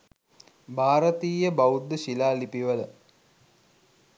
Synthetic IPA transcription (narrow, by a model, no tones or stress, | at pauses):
bʱaːɾət̪iːjəbaud̪ːəʃilaːlipiʋələ